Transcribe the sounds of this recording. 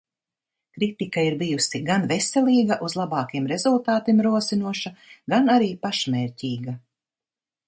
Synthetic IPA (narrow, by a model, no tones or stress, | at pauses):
kɾit̪ikaiɾbijusiɡanvesɛlˠiːɡaʔuzlˠabɑːkiɛmɾe̞zulˠt̪aːt̪imɾuɔsinuɔʃaɡanaɾiːpaʃmɛːɾʲcʲiːɡa